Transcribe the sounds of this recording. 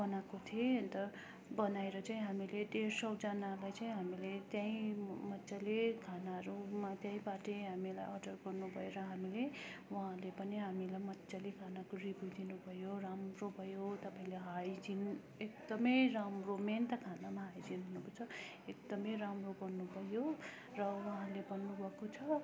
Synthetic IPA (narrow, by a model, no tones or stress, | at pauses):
bʌnakot̪ʰieʌnt̪ʌ | bʌnajɾʌt͡saĩɦamileɖersʌwd͡zʌnalajt͡saĩɦamilet̪jãĩmʌtːsalekʰanaʌɾumat̪jãĩbaʈeɦamilajʔʌɖʌrɡʌrnubʱʌjeɾʌɦamilewʌɦãlepʌniɦamilajmʌtːsalekʰanakɾibud͡zinubʱʌjoramrobʱʌjot̪ʌpaĩleɦajd͡zin | ek̚d̪ʌmʌjramroment̪ʌkʰanamaɦajd͡zinɦunukʌt͡sʰʌ | ek̚d̪ʌmʌjɾamroɡʌrnubʱʌjo | rʌwʌɦãlebʌnːubʱʌkot͡sʰʌ